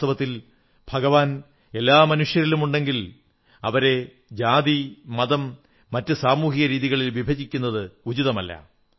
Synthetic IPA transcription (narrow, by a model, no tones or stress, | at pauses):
t̪ʰɐʋɐt̪ːil | b̥ʱɐɡɐʋaːn | e̞lːaːmɐnuʂjɐɾilumuɳɖe̞ŋɡil | ɐʋɐɾe̞ | d͡ʑaːðimɐðɐmː | ɐtːɨsaːmuːɦiɣɐɾiːðiɣɐɭilʋibʱɐd͡ʑikʲːunːɐðɨud͡ʑiðɐmɐlːɐ̰